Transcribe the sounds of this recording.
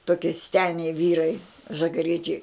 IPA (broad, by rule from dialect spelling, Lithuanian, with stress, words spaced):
toːˈkʲiɛ ˈsʲæːnʲɛɪ ˈʋʲiːrɐɪ ʒɐɡɐˈrʲiɛt͡ʃʲɛɪ